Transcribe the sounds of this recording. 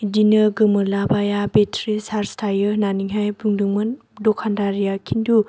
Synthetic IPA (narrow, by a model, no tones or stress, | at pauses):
idinəɡɯmɯlabajabetʰɾisaɾstʰajɯnaniŋɦajbuŋdɯŋmɯn | dɔkʰandaɾijakʰindu